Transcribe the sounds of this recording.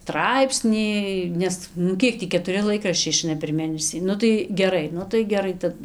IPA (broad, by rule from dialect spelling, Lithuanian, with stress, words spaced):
ˈtrɐɪpʲsʲnʲiː ˈnʲɛs nʊ ˈkʲiɛk tʲiː kʲɛtʊˈrʲɪ ˈlˠɐɪkrɐʃʲt͡ʃʲɛɪ ɪˈʃɐɪnɐ pʲɛr ˈmʲeːnʲɛsʲiː ˈnʊ tɐɪ ɡʲɛˈrɐɪ ˈnʊ tɐɪ ɡʲɛˈrɐɪ ˈtɐt